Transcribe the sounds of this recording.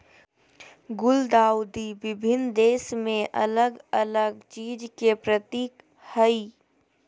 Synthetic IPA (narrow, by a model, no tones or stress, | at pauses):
ɡʊld̪aːʊd̪ibɪbʱɪnd̪eːsmẽʔələɡələɡ̚t͡ʃiːd͡ʒkepɾət̪iːk | həi